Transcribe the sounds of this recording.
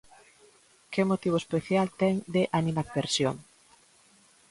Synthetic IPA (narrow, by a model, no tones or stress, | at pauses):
kemot̪iβ̞oespeθjalt̪ɛŋd̪eʔanimakbeɾsjoŋ